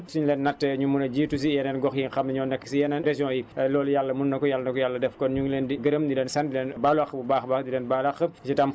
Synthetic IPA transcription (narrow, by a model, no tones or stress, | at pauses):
suɲlɛːnːatːɛɲumunɐɟiːtus̬ijɛnɛnɡɔxjiŋxɐmnɐɲɔːnɐkːəsijɛnɛnɾɛʒjɔ̃ːjilɔːlujalːɐmunːɐkɔjalːɐnɐkɔjalːɐdɛfkɔnɲuŋlɛːndiɡəɾəmdilɛːnsɐndilɛːnbaːlɐxəbubaːxbaːxdilɛːnbaːlɐxəsitɐm